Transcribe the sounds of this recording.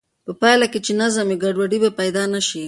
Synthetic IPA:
pəpajlaket͡ʃenazameɡaɖwaɖibapajd̪ɑnaʃi

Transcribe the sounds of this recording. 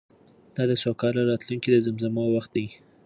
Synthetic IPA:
d̪̥ɑd̪əsokɑlaɾɑt̪luŋkid̪əzamzamawaxt̪̚d̪aj

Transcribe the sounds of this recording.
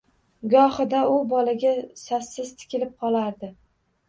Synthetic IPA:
ɡɒhɨd̪aʊbɒlaɡʲasasːɪzt̪ʰɪ̥kʲɪlɪp̚qʰɒlˠaɾd̪ɪ

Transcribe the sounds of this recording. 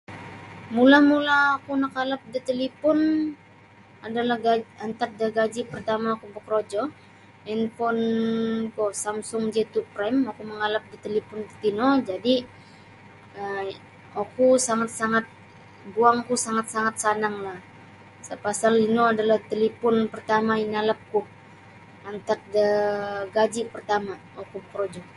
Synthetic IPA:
mulamulaːkunəkalap̚dit̪əlipʊn | adalahɡaant̪at̪̚daɡad͡ʒipərt̪amaːkubəkɾod͡ʒɔ | ɛnfɔnkɔsamsʊŋd͡ʒet̪upɾɛmakuməŋalap̚dit̪elipɔnt̪inod͡ʒadi | ə | okusaŋat̪̚saŋat̪̚ | buaŋkusaŋat̪̚saŋat̪̚sanaŋlah | sapasalinoadalaht̪elipʊnpərt̪amainalap̚kuh | ant̪ak̚dəɡad͡ʒipərt̪ama | okubəkɾod͡ʒɔ

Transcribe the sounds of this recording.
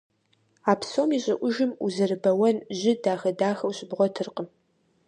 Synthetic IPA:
aːpsomiːɕʼɪʔʷʊʒɪmuzɨrɨbɐwɐnʑɪdaːxɐdaːxɐwɕʼɪbʁʷɔtʰɨrqəm

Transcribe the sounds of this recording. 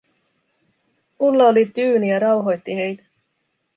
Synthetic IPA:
ulːɑolit̪yːnijɑɾɑwɦo̞jt̪ːihe̞jt̪æ̥

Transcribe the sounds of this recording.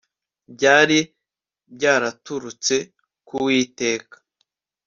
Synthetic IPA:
bɟaːɾi | b̚ɟaːɾatuɾut͡se̞ | kuwiːte̞ːkḁ

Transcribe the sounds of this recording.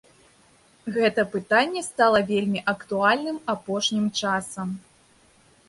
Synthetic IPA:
ɣɛt̪ɐpɨt̪anʲːɛst̪alˠɐvʲelʲmʲiʔɐkt̪ualʲnɨmapɔʂnʲimt͡ʂasɐm

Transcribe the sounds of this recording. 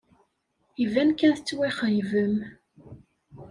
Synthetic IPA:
ivænkænθət͡sːwiχəjvəm

